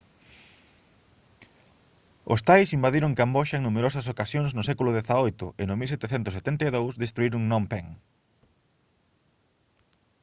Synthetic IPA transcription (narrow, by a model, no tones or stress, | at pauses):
o̰st̪ajsimbaðiɾʊŋkamboʃɐeŋnumeɾosɐs̬okasjoŋsnʊsɛkulʊðeθaojt̪ʊʔɪnomilsɛt̪eθɛnt̪ʊset̪ent̪ajðowsðest̪ɾuiɾʊŋnõmpɛŋ